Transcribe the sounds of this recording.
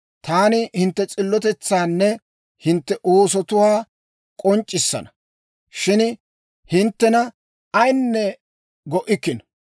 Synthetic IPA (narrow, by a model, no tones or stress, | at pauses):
t̪aːnɪhɪnt̪ːɛt͡sʼɪlːɔt̪ɛt͡sːaːnːɛ | hɪnt̪ːɛʔoːsɔt̪ʊwaː | kʼɔnt͡ʃʼːɪsːɐ̰nɐ | ʃɪn | hɪnt̪ːɛnɐ | ɐjnːɛ | ɡɔʔɪkːɪn